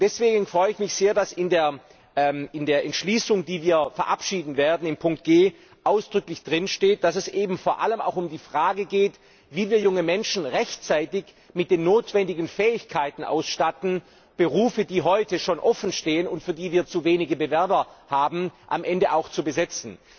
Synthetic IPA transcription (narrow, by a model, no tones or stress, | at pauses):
d̥ɛsv̥eːɡŋ̩n̩fʁ̥ɔʏəɪçmɪçz̥eːɐdasɪndeːɐ | ɛmɪndeːɐʔɛntʃliːsʊŋdiːviːɐfɛɐʔapʃiːdn̩veːɐdn̩ɪmpʰʊŋk̚t̚ɡ̥eː | ʔaʊsd̥ʁʏklɪçd̥ʁɪnʃteːt̚d̥asɛsʔeːbm̩foːɐʔaləma̰ʊxʊmdiːfʁ̥aːɡəɡeːt | viːviːɐjʊŋəmɛnʃn̩ʁɛçtt͡saɪtɪç | mɪt̚d̥eːnːoːtv̥ɛndɪɡn̩fɛːɪçkʰaɪtn̩ʔa̰ʊsʃtatn̩ | b̥əʁuːfədiːɦɔʏtəʃoːnʔɔfn̩ʃteːənʊntfyːɐdiːviːɐt͡suveːnɪɡəbəvɛɐbɐhaːbm̩ʔa̰mʔɛndəʔaʊxt͡subəzɛt͡sn̩